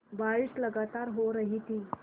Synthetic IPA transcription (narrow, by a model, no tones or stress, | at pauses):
baɭiːsləɡat̪aɾɦoɾəɦit̪iː